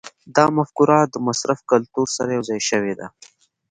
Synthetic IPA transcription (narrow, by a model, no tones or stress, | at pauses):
d̪ɑmafkuɾɑd̪əmasɾafkalt̪uɾsaɾajawzɑjʃəwed̪a